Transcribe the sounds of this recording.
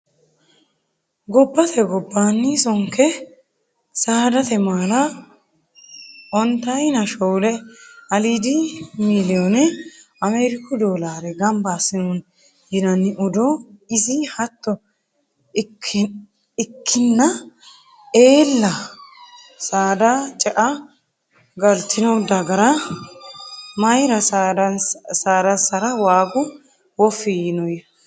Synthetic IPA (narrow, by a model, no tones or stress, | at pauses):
ɡɔbːɐt̪ʰɛɡɔbːaːnːɪsɔŋkɛ | saːd̪ɐt̪ɛmaːlɐ | ʔɔnt̪ɐjnɐʃɔwlɛɐliːd̪ɪmilɪjonɛ | ɐmeːɾɪkːʊd̪oːlaːɾɛɡɐmbaːsɪnun | jɪnɐnːɪʔɔd̪ɔɪzɪhɐt̪ːɔ | ɪkʰːɪnːɐ | eːlːɐ | saːd̪ɐt͡ʃʼɛʔɐ | ɡɐlt̪ʰɪnɐwd̪ɐɡɐɾɐ | mɐjɾɐs | saːd̪ɐsɐɾɐwaːɡʊ | wɔfːɪjɪnɔj